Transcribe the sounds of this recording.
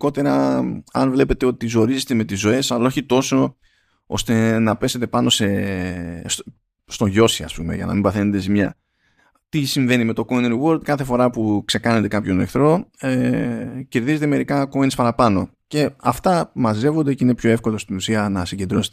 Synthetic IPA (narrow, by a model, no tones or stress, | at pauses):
ko̞t̪e̞ɾɐɐnvle̞pe̞t̪e̞o̞t̪t̪izo̞ɾize̞t̪eme̞t̪izo̞e̞sɐlo̞çit̪o̞so̞ | o̞̰st̪e̞nɐpe̞se̞t̪e̞pɐno̞se̞ | st̪o̞ʝo̞siɐ̰spume̞̰ʝɐ̰nɐ̰mimbɐθenod̪esimɲɐ | t̪isiɱve̞nime̞t̪o̞koininiwo̞ɾld̪̚kɐθe̞fo̞ɾɐpukse̞kɐnet̪e̞kɐpço̞nḛkθɾo̞ | ce̞ɾðize̞t̪e̞me̞ɾikɐkoinispɐɾɐpɐno̞ | ce̞ɐft̪ɐmɐze̞vo̞nd̪eceine̞pço̞e̞fko̞lo̞st̪inusiɐnɐsiɲɟed̪ɾo̞set̪